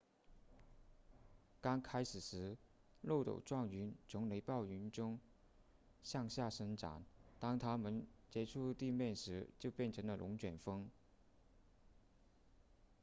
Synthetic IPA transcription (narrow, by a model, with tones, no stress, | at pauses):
kɑ˥ŋkʰa˥ɪʂɻ̩˨˩ʂɻ̩˧˥ | lo˥˩ʊt̪o̰˨˩ʊʈ͡ʂwɑ˥˩ŋy˧˥nt͡sʰʊ˧˥ŋle˧˥ɪpɑ˥˩ʊy˧˥nʈ͡ʂʊ˥ŋ | ɕjɑ˥˧ŋɕja˥˩ʂɤ˥ŋʈ͡ʂa̰˧˥˦nt̪ɑ˥ŋt̪ʰa˥mə˨nt͡ɕjɛ˧˥ʈ͡ʂʰu˥˧t̪i˥˧mjɛ˥˩nʂɻ̩˧˥t͡ɕjo˥˧ʊpjɛ˥˩nʈ͡ʂʰɤ˧˥ŋlə˧lʔʊ˧˥ŋt͡ɕɥɛ˨˩nfɤ˥ŋ